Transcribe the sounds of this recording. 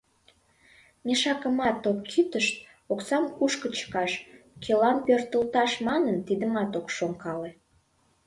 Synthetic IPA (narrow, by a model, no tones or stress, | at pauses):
mʲeʃɑkəmɑt̪okːʰyt̪əʃt̪ | oksɑmkuʃkət͡ɕə̥kɑʃkʰelɑnpørt̪əlt̪ɑʃmɑnənt̪id̪əmɑt̪okʃoŋkɑle